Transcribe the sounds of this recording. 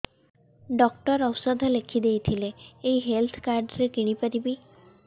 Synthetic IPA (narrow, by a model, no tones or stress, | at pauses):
ɖɔkʈɔɾɔwsɔd̪ʱɔlekʰid̪ejt̪ʰileːiɦelt̪ʰkaɾɖɾekiɽ̃ipaɾibi